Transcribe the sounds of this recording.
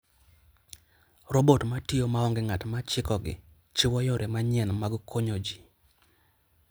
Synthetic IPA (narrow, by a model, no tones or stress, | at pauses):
robotmatɪomaɔŋɡɪŋatmat͡ʃɪkɔɡɪ̰ | t͡ʃɪwɔjɔɾʔɛmaɲɪɛnmaɡkʰoɲod͡ʒi